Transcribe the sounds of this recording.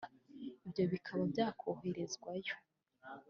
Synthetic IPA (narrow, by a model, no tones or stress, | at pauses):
ibjo̞βikʰaβabjaːkʰoːɦe̞ɾe̞zɡwajo̞